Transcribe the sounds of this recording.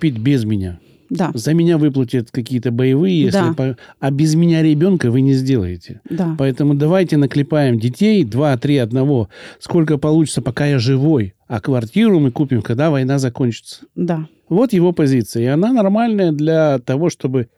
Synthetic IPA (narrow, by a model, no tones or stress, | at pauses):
kʊpʲit̚ʲbʲɪzmʲɪnʲa | d̪azəmʲɪnʲavɨplˠətʲət̪kɐkʲijət̪əbəjɪvɨjəjesʲlɪpɐɐbʲɪzmʲɪnʲaɾʲɪbʲo̞nkəvɨnʲɪzʲdʲe̞lˠə̰jɪtʲɪd̪apɐɛt̪əmʊd̪ɐvajtʲɪnəklʲɪpajɪmdʲɪtʲejd̪vat̪ɾʲiɐd̪nɐvo̞sko̞lʲkəpɐlˠut͡ɕɪ̥tsəpɐkajaʐɨvo̞jɐkvɐrtʲiɾʊmɨkupʲɪmkɐɡd̪avɐjn̪azɐkonʲt͡ɕɪ̥t̪sə̥d̪a | vo̞t̪jɪvo̞pɐzʲit̪sɨjəɪɐnanɐrmalʲnəjəd̪lʲɐt̪ɐvo̞ʂt̪o̞bɨ